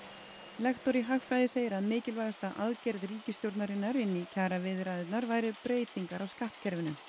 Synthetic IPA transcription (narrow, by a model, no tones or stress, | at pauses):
lɛxt̪ɔɾiɦaxfɾajðɪseːjɪɾaðmɪːcɪlvajɣast̪aʔaðcɛɾðriːcɪst̪jowɾt̪naɾɪnːaɾɪnːicʰaːɾavɪðɾaːðɪt̪naɾvaːjɾɪpɾeːjt̪iŋkaɾawskaht̪cʰɛɾvɪnʏm